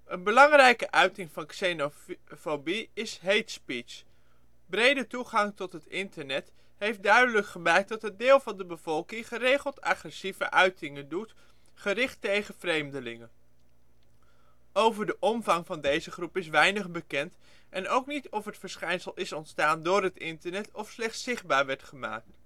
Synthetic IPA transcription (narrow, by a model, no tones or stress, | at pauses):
ənbəlɑŋrɛjkəʔœɥtɪŋvɑnksenofobiɪsɦejtspis | brejdətuχɑŋtɔtɦətɪntəɹnɛt | ɦejf̚dœɥdələkχəmɛɹk̚dɑtɦədɪːlˠvɑndəbəv̥ɔlˠkɪŋχərejχəlˠtɑ̰χrɛsivəʔœɥtɪŋəndut | χərɪχtejχəv̥rejmdəlɪŋən | owvəɹdəʔɔmvɑŋvɑndejzəχrupɪsʋɛjnəχbəkɛnt | ʔɛnowknitɔfətfəɹsχɛjnsəlˠɪsɔntstaːndʊːɹɦətɪntəɹnɛtɔfslɛχtsɪχd̚baːɹʋɛɹtχəma̰ːk̚t